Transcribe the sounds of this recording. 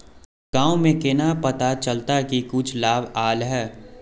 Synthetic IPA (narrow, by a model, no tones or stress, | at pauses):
ɡ̥ãːõmẽkenapɐt̪at͡ʃəlt̪akikʊt͡ʃʰlaːbaːlɦɛː